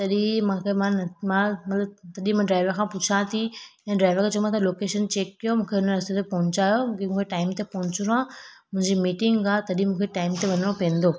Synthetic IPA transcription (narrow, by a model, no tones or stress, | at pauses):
t̪ɐɗĩmãːkʰemãnmãmɐt̪ləb̚t̪ɐɗĩmãɖɾaːɪʋəɾkʰãːpʊt͡ɕʰãt̪ʰiɛ̃ːɖɾaːɪʋəɾkʰãt͡ɕɐ̃ũãt̪ɐloːkeːʃənt͡ɕeːkːijomũːkʰeʊnəɾɐst̪ot̪epɐɦʊ̃ɲt͡ɕaːjomũkʰemũːkʰeʈaːɪmt̪epɐɦʊ̃ɲt͡ɕɾãːmʊ̃ɦɪ̃ɲd͡ʑimiːʈɪ̃ŋɡaːt̪ɐɗĩmũːkʰeʈaːɪmt̪eʋɐnəɽ̃opẽːn̆d̪oː